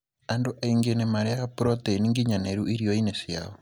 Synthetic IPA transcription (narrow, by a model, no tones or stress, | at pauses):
andoʔaiŋɡenemaɾeapuɾɔteniŋɡiɲaneɾuʔiɾioinesia̰o